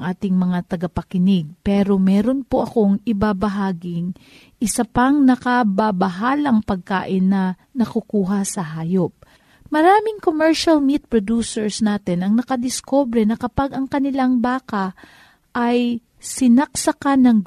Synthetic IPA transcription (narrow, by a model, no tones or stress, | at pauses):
ŋʔaːt̪ɪŋmɐŋat̪ɐɡɐpɐkɪnɪɡ̚pɛːɾo̞mɛːɾo̞npoʔɐko̞ŋɪbabɐɦaːɡɪŋ | ʔɪsɐpaŋnɐkɐbabɐɦaːlɐŋpɐɡ̚kaːʔɪnːɐ | nɐkukuːɦɐsɐɦaːjo̞p̚ | mɐɾaːmɪŋkomɛɹʃɐlmit̪̚pɹod̪usɛɹsnaːt̪ɪnʔɐŋnɐkɐd̪ɪskoːbɾɛnɐkɐpaɡʔɐŋkɐnɪlaŋbaːkɐ | ʔɐj | sɪnɐksɐkanɐŋ